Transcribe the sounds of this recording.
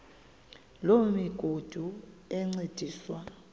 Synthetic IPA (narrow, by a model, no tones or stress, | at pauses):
lomiɡ̥ʱod̥ʱuɛŋ͡ǀed̥ʱiːswa